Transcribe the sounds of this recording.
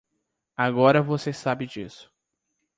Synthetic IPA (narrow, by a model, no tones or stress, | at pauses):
aɡɔɾɐvosesabɪd͡ʒḭsʊ̥